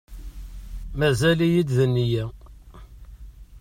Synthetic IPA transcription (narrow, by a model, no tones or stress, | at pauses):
mæzælijid̪ðənːijæ